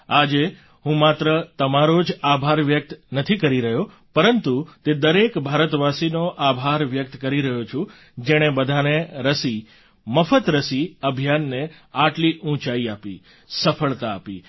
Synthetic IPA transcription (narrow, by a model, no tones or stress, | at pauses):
ad͡ʒe | ɦũmat̪ɾət̪əmaɾod͡ʒabʱaɾʋjək̚t̪nət̪ʰikəɾiɾəɦjo | pəɾənt̪ut̪ed̪əɾekbʱaɾət̪ʋasinoʔabʱaɾʋjək̚t̪kəɾiɾəɦot͡ʃʰũ | d͡ʒeɽ̃ebəd̪ʱaneɾəsi | məfət̪ɾəsiəbʱjanːe | aʈliʔũt͡ʃaiapḭ | səfʰəɭt̪aːpḭ